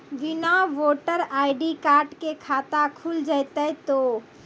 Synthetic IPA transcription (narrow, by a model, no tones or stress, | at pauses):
ʋinaʋoʈəɾajɖikaɾʈkekʰat̪akʰuld͡ʒajt̪ət̪o